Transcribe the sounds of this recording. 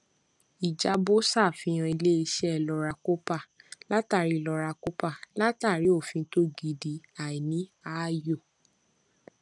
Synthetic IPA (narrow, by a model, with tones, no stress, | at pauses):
i˨d͡ʒa˨˦bo˦sa˦˨fĩ˧j̃ã˧i˧le˦i˧ʃɛ˦ɛ˧˨lɔ˧ɾa˧ko˦pa˦˨la˦ta˦˨ɾi˨˦˨lɔ˧ɾa˧ko˦pa˦˨la˦ta˦˨ɾi˨˦o˦˨fĩ˧˦to˦ɡi˧˨di˨˦a˨i˨nĩ˨˦a˦jo˦˨